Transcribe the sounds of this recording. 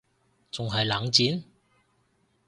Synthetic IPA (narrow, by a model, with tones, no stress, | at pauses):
t͡sʊ˨ŋɦɐ˨jlaː˨˥ŋt͡siː˨˥n